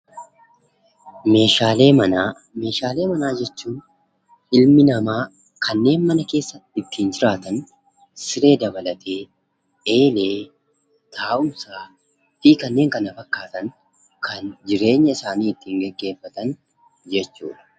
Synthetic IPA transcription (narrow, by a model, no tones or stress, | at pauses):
meːʃaːleːɐ | me̞ːʃaːle̞ːmɐnaːd͡ʒɛt͡ʃːuːn | ɪlmɪnɐmaː | kʰɐnːe̞ːnmɐnɐke̞ːsːɐt̪ːɪt̪ːiːnd͡ʒɪɾaːt̪ɐn | sɪɾe̞ːd̪ɐbɐlɐt̪ʰe̞ː | eːleː | t̪ʰaːʔʊmsaː | fiːkɐnːe̞ːŋkɐnɐfɐkːaːt̪ɐn | kʰɐnd͡ʒɪɾe̞ːɲːɐɪsaːniːɪt̪ːiːŋɡɛɡːe̞ːfːɐt̪ɐn | d͡ʒɛt͡ʃːṵːᶑɐ̥